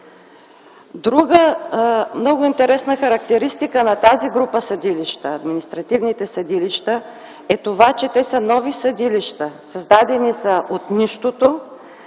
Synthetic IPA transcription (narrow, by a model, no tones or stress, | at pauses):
d̪ɾuɡə | mnɔɡʊint̪ɛɾɛsnəxɐɾɐk̚t̪ɛɾist̪ikənɐt̪aziɡɾupəsɐd̪iliʃt̪əːd̪minist̪ɾɐt̪ivnit̪ɛsɐd̪iliʃt̪ə | ɛt̪ovat͡ʃɛt̪ɛsənɔvisɐd̪iliʃt̪əsɐzd̪ad̪ɛnisəʔot̪niʃt̪ot̪o